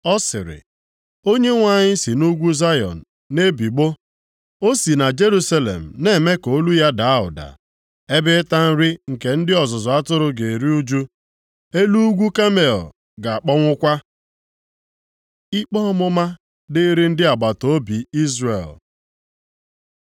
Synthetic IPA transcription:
ɔ˦sɪ̰˨ɾɪ̰˨ | o˦ɲe˦ŋʷa˦˨ɲɪ˦si˨nu˦ɡʷu˦za˦jɔ̰˨n̩˨ne˦bi˨ɡ͡bo˦ | o˦si˨na˨d͡ʒe˦ɾu˦sa˦lḛ˨m̩˨ne˦˨me˦ko˨˦lu˦ja˦da˨a˦ɦʊ̰˨da̰˨ | e˦bɪ˦ta˦n̩˦ɾi˦ŋ̩˨ke˨n̩˦dɪ˦ɔ˨zʊ˨zɔ˨a˦tʊ˦ɾʊ˦ɡe˨ɾi˦u˦d͡ʒu˦ | e˦lu˦ɡʷu˦ka˦mḛ˨ | ɡa˨a˨k͡pɔ˦ŋʷʊ˦kʷa˦ | i˦k͡pɔ˦ɔ˦mʊ˦ma˦ | dɪ˦ɾi˦n̩˦dɪ˦a˨ɡ͡ba˨to˨o˦bi˨i˦zrḛ˨l

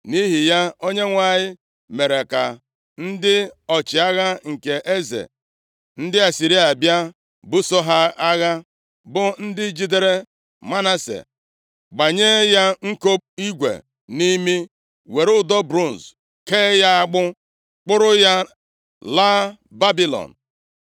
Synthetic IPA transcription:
ni˦ɦi˨ja˦o˦ɲe˦ŋʷa˨ɲɪ˦ | me˨ɾe˨ka̰˨ | n̩˦dɪ˦ɔ˨t͡ʃɪ˨a˦ɣa˦ŋ̩˨ke˨ʔe˦zḛ˨ | n̩˦dɪ˦a˨si˨ɾi˦a˨bja˦ | bʊ˦sɔ˦ɦa˦a˦ɣa˦ | bʊ˦n̩˦dɪ˦d͡ʒi˦de˦ɾe˦ | ma˦na˦sḛ˨ | ɡ͡ba˨ɲe˦ja˦ŋ̩˦ko˦p̚i˦ɡʷḛ˨ | ni˦mi˦ | we˨ɾʊ˦dɔ˦bɾu˦˨n̩˨z | keː˦ja˦a˦ɡ͡bʊ˦ | k͡pʊ˦ɾʊ˦ja˦ | laː˦ | ba˦bi˦lɔ̰˨n̩˨

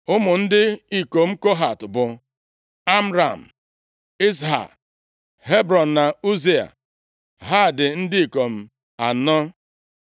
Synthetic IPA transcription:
ʊ˦mʊ˨n̩˦dɪ˦i˦ko˨m̩˦ko˦ɦa˨tʊ˨bʊ˨ | a˦m̩˦ɾa̰˨m̩˨ | i˦s̬ɦa̰˨k | ɦe˦bɾɔ˨n̩˨na˨u˦ze˦a̰˨ | ɦa˦˨dɪ˨n̩˦dɪ˦i˨ko˨m̩˦ | a˨nɔ˦

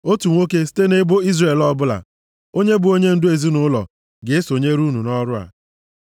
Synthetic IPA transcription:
o˦tu˨ŋʷo˦ke˦si̥˦te˦ne˦bo˦i˦zre˨lɔ˦bʊ˦la̰˨ | o˦ɲe˦bʊ˨o˦ɲe˦n̩˦dʊ˦e˨zi˦nʊ˦lɔ̰˨ | ɡɪ˨e˦so˨ɲe˦ɾu˦nu˨nɔ˦ɾʊ˦a̰˨

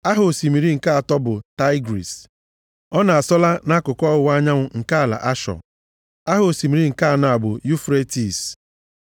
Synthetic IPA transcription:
a˦ɦʊ˨si˨mi˨ɾi˦ŋ̩˨ka˦a˨tɔ˦bʊ˨ta˦ɪ˦ɡɾḭ˨s | ɔ˦na˨a˨sɔ˦la˦na˦kʊ˨kɔ˦ʊ˨wʷa˦ɲa˦ŋʷʊ˨ŋ̩˨ka˦a˨la̰˨ʔa˦ʃɔ̰˨ | a˦ɦʊ˨o˨si˨mi˨ɾi˦ŋ̩˨ka˦a˨nʊ˨a˨bʊ˨ju˦fɾe˦ti˨s

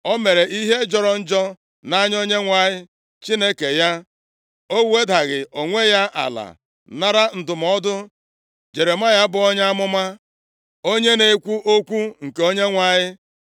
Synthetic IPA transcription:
ɔ˦me˨ɾe˨ʔi˦ɦe˦d͡ʒɔ˨ɾɔ˨n̩˦d͡ʒɔ˦ | na˦ɲ˦o˦ɲe˦ŋʷa˨ɲɪ˦ | t͡ʃi˦ne˦ke˨ja˦ | o˦e˦da˨ɣɪ˨ʔo˨ŋʷe˦ja˦ʔa̰˨la̰˨ | na˦ɾa˦n̩˨dʊ˨m̩˨ɔ˦dʊ˦ | d͡ʒe˨ɾe˨ma˦ja˦bʊ˨ɔ˦ɲa˦a˦mʊ˦ma˦ | o˦ɲe˦ne˨kʷu˦ʔo˦kʷu˦ŋ̩˨ke˨o˦ɲe˦ŋʷa˨ɲɪ˦

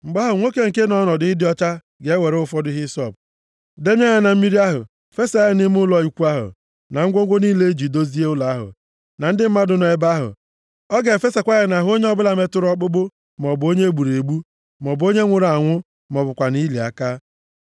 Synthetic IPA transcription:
ŋ͡m̩˨ɡ͡ba˦ɦʊ˨ŋʷo˦ke˦ŋ̩˨ke˦nɔ˦nɔ˨dɪ˦ɪ˦dɪ˦ɔ˦t͡ʃa˦ | ɡe˨e˦we˨ɾe˦ʊ˦fɔ˦dʊ˦ɦɪ˦sɔ˦˨p̚ | de˦m˦e˦ɲa˦na˨m̩˦mi˦ɾi˦a˦ɦʊ̰˨ | fe˦sa˨˦a˨nɪ˦m˦ʊ˦lɔ˦i˨kʷu˦a˦ɦʊ̰˨ | na˨ŋ̩˦ɡʷo˦ɡʷo˦niː˦le˦d͡ʒi˨do˦zi˦e˦ʊ˦la˨a˦ɦʊ̰˨ | na˨n̩˦dɪ˦m̩˦ma˦dʊ˨˦nɔ˨e˦ba˦ɦʊ̰˨ | ɔ˦ɡe˨fe˦sa˨kʷa˦ɣe˨na˨ɦo˦ɲe˦ɔ˦bʊ˦la˨me˦tʊ˦ɾɔ˦k͡pʊ˦ɡ͡bʊ˦ | mɔ˨bo˦ɲe˦ɡ͡bu˨ɾe˨ɡ͡bu˦ | mɔ˨bo˦ɲe˦ŋʷʊ˨ɾa˨ŋʷʊ˦ | m˨ɔ˨bʊ˨kʷa˨ni˦le˨a̰˨ka˦

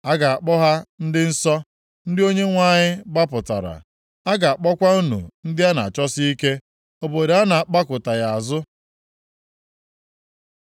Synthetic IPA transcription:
a˦ɡa˨a˨k͡pɔ˦ɦa˦n̩˦dɪ˦n̩˦sɔ˦ | n̩˦dɪ˦o˦ɲe˦ŋʷa˦˨ɲɪ˦ba˦pʊ˨ta̰˨ɾa̰˨ | a˦ɡa˨a˨k͡pɔ˦kʷa˦u˦nṵ˨n̩˦dɪ˦a˦na̰˨a˨t͡ʃɔ˦si˦i˦ke˦ | o˨bo˨de˨a˦na˨a˨k͡pa˦kʊ˨ta˨ja˨a˨zʊ˦

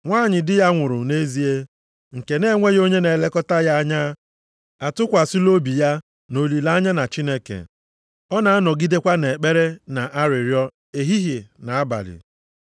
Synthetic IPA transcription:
ŋʷaː˦˨ɲɪ˨dɪ˦ja˦ŋʷʊ˨ɾʊ˨ne˦zi˦e˦ | ŋ̩˨ke˨ne˦ŋʷe˦jo˦ɲe˦ne˨le˦kɔ˦ta˦ja˦a˦ɲa˦ | a˨tʊ˦kʷa˨sɪ˦lo˦bi˨ja˦ | no˨li˨la˦ɲa˦na˨t͡ʃi˦ne˦kḛ˨ | ɔ˦na˨a˦nɔ˨ɡi˦de˦kʷa˦ne˨e˨k͡pe˦ɾe˦na˨ʔa˦ɾɪ˨ɾjɔ˦ | e˨ɦi˦ɦe˨na˨a˦ba̰˨lɪ̰˨

